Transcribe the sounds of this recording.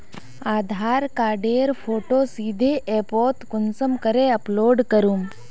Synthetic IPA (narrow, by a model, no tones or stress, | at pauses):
aːd̪ʱaːɾkaːɖeːɾpʰoːʈoːsiːd̪ʱeʔepoːt̪kʊnsəmkəɾeɐploːɖkəɾum